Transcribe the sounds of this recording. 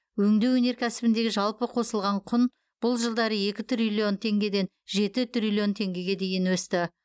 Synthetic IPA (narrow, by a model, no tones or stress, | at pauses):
wɵŋd̪ewɵne̞ɾkʲʰæsɪbɪnd̪e̞ɡʲɪʒɑlˠpəqʰo̞səlˠʁɑɴqʰʊn | b̥ʊlˠʒəlˠd̪ɑɾəje̞kʲɪt̪ɾilʲio̞nt̪ʰe̞ŋɡʲe̞d̪e̞n | ʒe̞t̪ɪt̪ɾʲilʲˠio̞nt̪ʰe̞ŋɡʲe̞ɡʲe̞d̪e̞jɪnwɵst̪ɪ